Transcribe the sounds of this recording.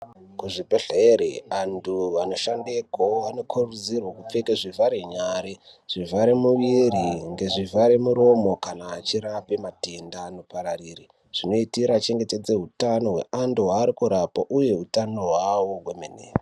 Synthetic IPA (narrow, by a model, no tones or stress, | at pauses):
kuʐipeɬeeɾḛʋantʰuʋano̞ʃandekoʋano̞kʰurud͡zirwakup͡fekeʐivaɾeɲaɾe | ʐ̥ivaɾemuʋiriŋɡeʐivaɾemuɾo̞mo̞kanaːt͡ʃiɾapemate̞ndanopaɾariːri | ʐ̥ino̞itiɾat͡ʃe̞ŋɡe̞te̞d͡ze̞ɦutano̞ɦwe̞̰anduɦaːɾikuɾapoʔuje̞utano̞ɦwawoɦwemenḛːre